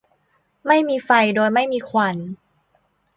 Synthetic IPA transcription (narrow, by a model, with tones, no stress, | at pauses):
ma˥˩jmiː˧fa˧jdoː˧jma˥˩jmiː˧kʰwa˧n